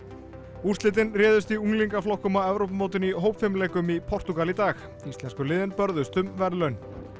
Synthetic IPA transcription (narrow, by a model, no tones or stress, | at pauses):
ursɪːt̪̬ɪnrɛːðʏst̪iuŋliŋkaflɔwhkʏmaɛvɾowp̬moːwt̪ɪniɦoːwpfɪmlɛːkʏmipʰɔr̥t̪ukalit̪aːx | ist̪ɛnskʏlɪːðɪnpœɾðʏst̪ʏmvɛɾlœɥn